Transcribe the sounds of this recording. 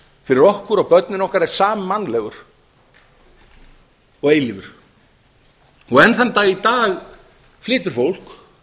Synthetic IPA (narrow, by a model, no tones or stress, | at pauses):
fɪɾɪɾɔhkʏɾaɣpœt̪̚nɪnɔhkaɾɛɾ̥saːmɪmːanlɛɣʏɾ̥ | ɔɣeːjlɪvʏɾ̥ | ɔɣɛnθant̪ait̪aːɣ | flɪːt̪ʏɾ̥fowl̥k